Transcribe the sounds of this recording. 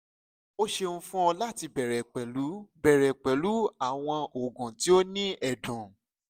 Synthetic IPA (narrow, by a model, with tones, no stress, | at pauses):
o˦ʃe˧nũ˦fũ˦ɔ˧la˦˨ti˧bɛ˨ɾɛ˨k͡pɛ˨lu˨˦bɛ˨ɾɛ˨k͡pɛ˨lu˨˦a˨w̃ɔ̃˧o˨ɡɔ̃˨ti˨˦o˦nĩ˦ɛ˨dɔ̃˨